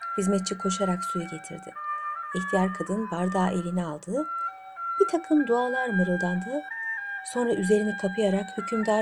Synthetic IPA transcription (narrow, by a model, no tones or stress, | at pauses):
hizmɛt̪̚t͡ʃʰikʰo̞ʃaɾaksujɛɟe̞t̪ʰḭɾd̪ɪ̰içt̪ʰijaɾkʰad̪ɯnbaɾd̪aːʔe̞lʲinialˠd̪ɯː | b̥it̪ʰakʰɯmd̪uaːlˠaɾmɯɾɯlˠd̪and̪ɯːso̞nɾaʔyze̞ɾinɛkʰapʰɯjaɾakhycʰymd̪aɾ